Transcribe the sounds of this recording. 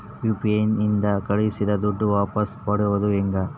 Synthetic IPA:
juːpiɐnind̪ɐkɐɭisid̪ɐd̪uɖːuʋaːpɐspɐɽuʋɐd̪uɛŋɡɐ

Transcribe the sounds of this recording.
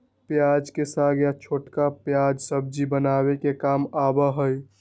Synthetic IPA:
pjad͡ʒkesaɡjat͡ʃʰoʈkapjad͡ʒsəb̚d͡ʒibənabekekamabəɦəj

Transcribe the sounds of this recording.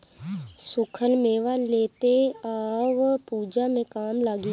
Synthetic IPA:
sʊkʰəlmẽːʋaleːt̪eaːʋpuːd͡ʒamẽkaːmlaːɡi

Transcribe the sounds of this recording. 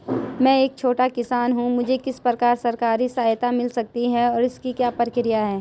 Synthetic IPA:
mɛ̃ːeːk̚t͡ʃʰoːʈakɪsaːnɦũmʊd͡ʒʱekɪspɾəkaːɾsɐɾkaːɾisaːjt̪amɪlsɐk̚t̪iɦɛɔːɾɪskikjaːpəɾkɪɾɪjaɦɛː

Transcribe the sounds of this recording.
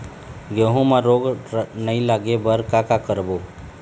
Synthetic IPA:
ɡeːɦõmãɾoːɡnəĩlaːɡebəɾkakakəɾboː

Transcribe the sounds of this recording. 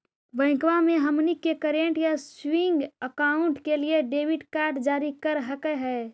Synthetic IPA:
bə̃ɪ̃kʋamẽɦəmnikekəɾeɳʈjaswiŋɡəkaʊɳʈkelieɖeːʋiɖkaːɾʈd͡ʒaːɾikəɾɦəkɛɦɛː

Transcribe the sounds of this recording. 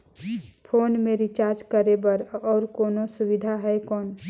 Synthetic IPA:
pʰoːnmẽɾit͡ʃaːɾd͡ʒkəɾebəɾɔːɾkoːnosubid̪ʱaɦɛekɔːn

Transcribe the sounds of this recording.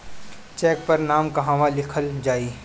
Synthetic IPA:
t͡ʃɛːk̚pɐɾnaːmkɐɦãʋalɪkʰəld͡ʒaːiː

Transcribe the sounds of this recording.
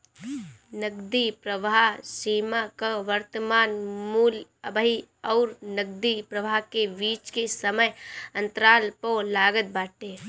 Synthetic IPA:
nəɡd̪ipɾəʋasiːmakəʋəɾt̪əmaːnmuːləbəɦiɔːɾnəɡ̚d̪ipɾəʋakebiːt͡ʃkesəməjə̃nt̪ɾaːlpolaːɡət̪̚baːʈe

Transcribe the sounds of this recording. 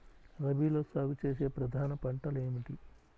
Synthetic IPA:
ɾɐbiːlo̞ːsaːɡut͡ʃe̞ːse̞ːpɾɐd̪ʱaːnɐpɐɳʈɐleːmiʈi

